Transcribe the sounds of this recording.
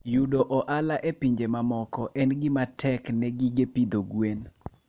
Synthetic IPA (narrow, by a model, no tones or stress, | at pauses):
judoʔɔʔalaʔepiɲd͡ʒemamɔkɔʔɛnɡɪmatʰɛknɛɡiɡepid̪oɡwen